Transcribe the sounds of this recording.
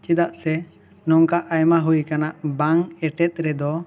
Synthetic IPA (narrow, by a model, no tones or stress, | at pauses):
t͡ʃid̪aʔsɛ | nɔŋkaʔajmaɦujkanaʔbaŋɛʈɛt̪̚ˀɾɛd̪ɔ